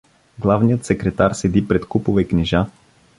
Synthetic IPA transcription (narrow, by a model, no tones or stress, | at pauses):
ɡlˠavnijət̪sɛkɾɛt̪aɾsɛd̪ipɾɛt̪kupovɛkniʒa